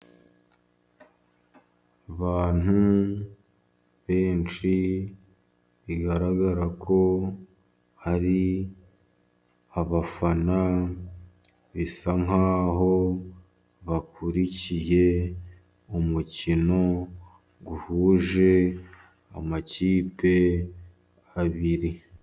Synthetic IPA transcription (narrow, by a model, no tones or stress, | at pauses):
aβaːn̥hu | βe̞ːnt͡ʃi | βiɡaɾaɡaɾakʰo̞ | haɾi | aβafana | βisaŋ̥aːɦo̞ | βakʰuɾicije̞ | umucino̞ | ɡuhuːʒe̞ | a̰maciːpe̞ | aβiɾi